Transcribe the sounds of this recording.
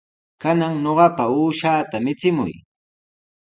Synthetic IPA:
kanaŋɲoɢɑpauːʃaːt̪amɪt͡sɪmʊ̰j

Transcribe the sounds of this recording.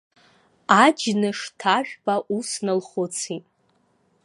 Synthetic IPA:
ad͡ʒnɨʂtʰaʒᶣbaʔusnɨlχʊt͡sʰitʼ

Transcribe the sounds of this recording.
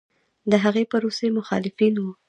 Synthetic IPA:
d̪əɦaɣepəɾosemʊxɑ̰lɪfinwu

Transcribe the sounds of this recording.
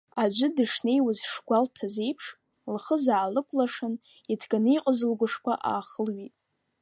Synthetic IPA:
ad͡ʒʷɨdɨʂne̞jwazʂɡʷaltʰaze̞jpʰʂ | lχəzaːlɨkʷʼlaʂan | itʰɡaniqʼəzɨlɡʷʊʂkʷʰa̰ʔa̰ːχəlɥitʼ

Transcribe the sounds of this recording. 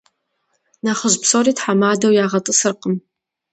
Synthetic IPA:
naχəʑpsoːɾiːtħamaːdɐwjaːʁɐtʼɨsɨrqəm

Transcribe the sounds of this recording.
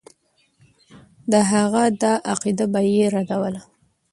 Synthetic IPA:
d̪əɦaɣad̪aʔaqid̪abajeɾad̪awəla

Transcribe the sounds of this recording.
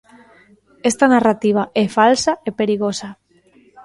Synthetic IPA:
est̪anarat̪iβ̞aʔefalsaepeɾiɣ̞osa

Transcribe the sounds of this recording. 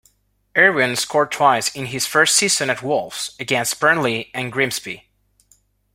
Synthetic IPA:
ɛɹwɨ̃nskʰɔɹd̚tʰw̥aɪsɪ̃nɪz̥fɜ˞stsizɨ̃nɨt̚wʊlˠfsɨɡɛ̃nst̚b̥ɜ̃˞nliɨ̃nɡɹɪ̃mzbḭ

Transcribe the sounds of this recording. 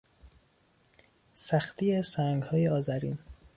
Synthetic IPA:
sæxt̪iːesæŋɡhɒːjeɒːzæɾḭːn

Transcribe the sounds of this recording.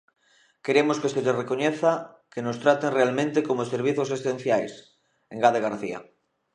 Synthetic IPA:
keɾemoskeseʎerekoɲeθa | kenost̪ɾat̪eŋrealmẽnt̪ekomoseɾβ̞iθosesẽn̟θjajs | eŋɡaðeɣaɾθḭa̰

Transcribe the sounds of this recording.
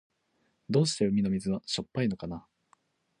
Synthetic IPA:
d̪o̞ːɕi̥t̪e̞ɯ̟mʲino̞mʲizɨβaɕo̞pːaino̞kana

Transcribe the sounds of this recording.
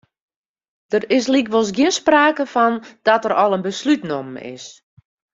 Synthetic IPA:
d̥ərɪslikʋɔlˠs̬ɡjiənspraːkəfɔnd̥ɔtərɔlˠənbəslytnomɪ̰s

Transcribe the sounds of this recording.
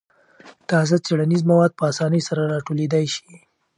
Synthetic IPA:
t̪ɑzat͡seɽanizmawɑd̪̚pəasɑnəjsaɾaɾɑʈoled̪ajʃi̥

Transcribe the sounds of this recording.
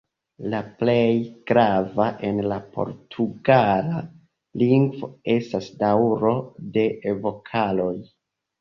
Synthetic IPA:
laple̞jɡ̥ɾavaʔe̞nlapʰo̞̰ɾtʰuɡala | liŋɡvo̞̰e̞stasdawɾo̞de̞vo̞kʰalo̞j

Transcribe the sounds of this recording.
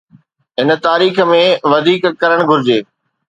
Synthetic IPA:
ɦɪnə̆t̪aːɾiːxmẽʋɐd̪ʱiːkkɐɾəɽ̃ɡʱʊɾɪd͡ʑeː

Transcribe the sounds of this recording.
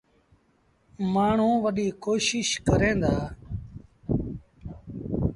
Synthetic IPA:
maːɳ̤ũːʋəɗiːkoːʃɪʃkəɾẽːnd̪aː

